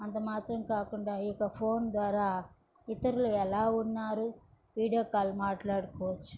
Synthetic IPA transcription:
ɐnt̪ɐmaːt̪ɾɐmkaːkuɳɖaːjɔkɐpʰo̞ːnd̪ʋaːɾaː | it̪ɐɾuluɛlaːunːaːɾu | ʋiːɽijoːkaːlumaːʈlaːɽukɔːʋɐt͡ʃːu̥

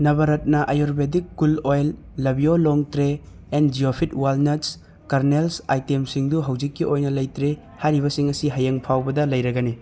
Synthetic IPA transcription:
nɐβɐɾɐt̚nɐʔɐjoɾbedikːulojlː | ɐbioloŋtɾeː | nd͡ʒiopʰit̚walnɐts | kɐɾnelsajtemsiŋduɦɐwd͡ʒikːiojnɐlɐjtɾe | haɾiβɐsiŋɐsiɦɐjeŋpʰawbɐdɐlɐjɾɐɡɐni

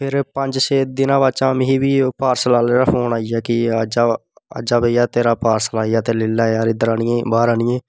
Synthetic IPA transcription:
pʰɪɾpəɲd͡ʒseːd̪ɪnãːbaːt͡ʃãːmɪɦiːʋiːpaːɾslaːlːɾaːpʰoːnaːijaːkɪəd͡ʒaːə̰d͡ʒaːbejaːt̪eːɾaːpaːɾslaːijaːt̪eːlɪlːaːeaːɾɪd̪əɾaːnɪjẽːbaːɾaːnɪjẽː

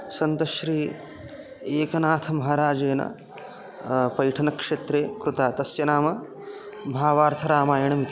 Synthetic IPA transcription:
sɐnt̪ɐʃɾiː | eːkɐnaːt̪ʰɐmɐɦɐɾaːd͡ʒeːnɐ̰ | pɐjʈʰɐnɐkʂeːt̪ɾeːkɾut̪aːt̪ɐsjɐnaːmɐ | bʱaːʋaːɾt̪ʰɐɾaːmaːjɐɳɐmit̪i̥

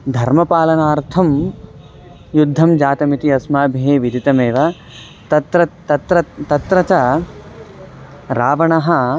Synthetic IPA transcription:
d̪ʱɐɾmɐpaːlɐnaːɾt̪ʰɐm | jud̪ʱːɐmd͡ʒaːt̪ɐmit̪iɐsmaːbʱiɦeːʋid̪ʱit̪ɐmeːʋɐ | t̪ɐt̪ɾɐ | ɐt̪ɾɐt̪ɐt̪ɾɐt͡ʃɐ | ɾaːʋɐɳɐɦɐ

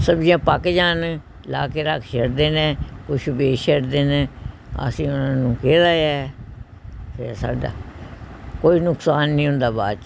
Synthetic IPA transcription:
səbd͡ʒijãːpəkd͡ʒaːn | laːkeːɾakʰʃeɽd̪eːnɛ̃ːkʊʃbeːʃeɽd̪eːnẽː | ə̰sĩːʊnãːnũːkeːlaːjaɛː | sesa̰ːɖa̰ː | koːiːnʊksaːnːĩːɦʊ̃nd̪aːbaːd͡ʒ

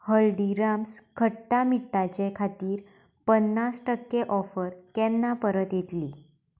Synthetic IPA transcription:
həɭɖiɾamskʰəːamiʈːat͡ɕekʰat̪iːɾ | pənːasʈəkːeʔɔfəɾt̪ɛnːapəɾət̪jet̪li

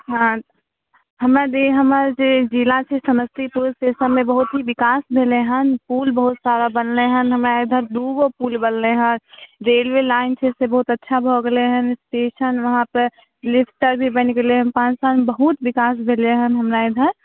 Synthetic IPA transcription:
ɦã | ɦəmɾad̪eɦəməɾd͡ʒed͡ʒilat͡ʃʰɛsəməst̪ipuɾsʈesənmẽbəɦut̪ɦiʋɪkaːsbʱeleɦənpuːlbəɦut̪saɾabənleɦənɦəmɾaed̪ʱəɾd̪uɡopuːlbənleɦə̃ɾeːlʋelaːɪnt͡ʃʰɛsebəɦut̪ətːʃʰabʱoɡeleɦənsʈeːʃənʋəɦãpəɾ | lɪpʰʈəɾbʱibənkeleɦə̃npãːt͡ʃsalmbəɦut̪ʋɪkaːsbʱeleɦənɦəmɾaed̪ʱəɾ

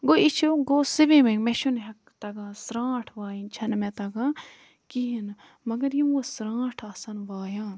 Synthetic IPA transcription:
ɡoit͡ʃʰuɡoːsibimemeʃunɦɐkt̪ɐɡãːsɾãːʈʰʋaːjint͡ʃʰɐnmẽt̪ɐɡãː | kiɦin | mɐɡɐɾjimosɾãːʈʰɐsɐnʋaːjaːn

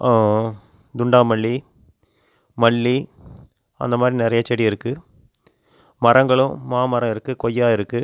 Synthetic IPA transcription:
a | d̪ʊɳɖaːmɐɭːi | mɐɭːi | ɐ̰nd̪ɐmaːd̪ɾinɪɾɐjɐt͡ʃːɛɽiɪɾɯkːɯ | mɐrɐŋɡɐɭʊ̃maːmɐɾɐ̃ɪɾɯkːɯkɔjːaːɪɾɯkːɯ

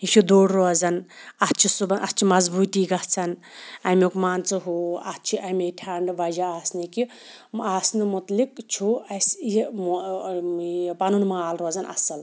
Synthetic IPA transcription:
it͡ʃʰid̪oːɽɾozɐnɐt͡ʃʰisubɐnʔɐtt͡ʃʰimɐzbuːt̪iːɡɐht͡sʰɐnɐmʲokmaːnt͡sɨɦuɐt͡ʃʰiʔɐmʲeʈʰaɳɖʋad͡ʒaaːsniki | aːsnɨmut̪lik̚t͡ʃʰuɐsji | pɐnunmaːlɾoːzɐnʔɐ̰sɐl

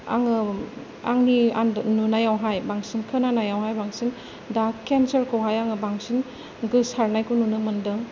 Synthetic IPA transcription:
a̰ŋɯ | a̰ŋniandnunajawɦajbaŋsinkʰɯnanajawɦajbaŋsin | dakensɐɾkʰowɦajaŋɯbaŋsin | ɡɯsaɾnajkununɯmɐndɯŋ

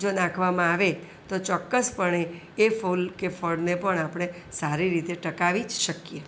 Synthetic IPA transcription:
d͡ʒonãkʰʋamãaʋe | t̪ot͡ʃɔkːəspəɳeː | fulkefəɽnepəɳapɽ̃e | saɾiɾit̪eʈəkaʋid͡ʒʃəkje

